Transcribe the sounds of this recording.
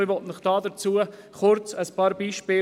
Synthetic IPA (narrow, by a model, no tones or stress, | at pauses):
ɪvɔtnɪχd̥ɑːdəɾt͡suə | χʊɾt͡səspɑːɾbiːʃpɪː